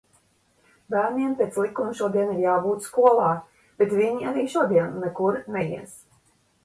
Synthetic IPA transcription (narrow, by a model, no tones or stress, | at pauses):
bæːɾniɛmpʲet̪slˠikumuʃuɔd̪iɛniɾjaːbuːt̪skuɔlˠɑː | b̥et̪viɲiaɾiːʃuɔd̪iɛnːɛkuɾnɛjḭɛs